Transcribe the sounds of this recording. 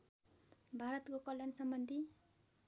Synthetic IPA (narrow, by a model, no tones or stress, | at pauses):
bʱaɾʌt̪kokʌljansʌmbʌnd̪ʱi